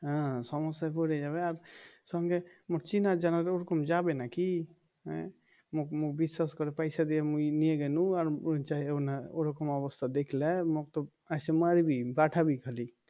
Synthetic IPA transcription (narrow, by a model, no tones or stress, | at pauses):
ɦãsɔmɔsapoɾɛd͡ʒaβeaɾsəŋɡemoɾt͡ʃinad͡ʒanaɾeoɾɔkɔmd͡ʒabenakḭ̃ | mokmobiswaskɔɾepajsad̪eemuinieɡenũaɾt͡ʃaɦionaoɾɔkɔmɔbəst̪ʰad̪ekʰlemokt̪ɔ | asemaɾibʱibaʈʰabʱikʰəli